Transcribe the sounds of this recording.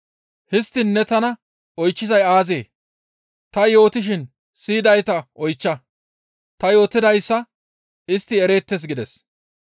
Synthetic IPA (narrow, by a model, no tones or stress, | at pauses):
hɪst̪ːɪnːɛt̪ɐnɐ | ɔjt͡ʃːɪzɐjaːzeː | t̪ɐjo̞ːt̪ɪʃ̬ɪn | siːd̪ɐjt̪ɐʔɔjt͡ʃːɐ | t̪ɐjo̞ːt̪ːɪd̪ɐjsːɐ | ɪst̪ːɪɛɾe̞ːt̪ːes̬ɡɪd̪ɛs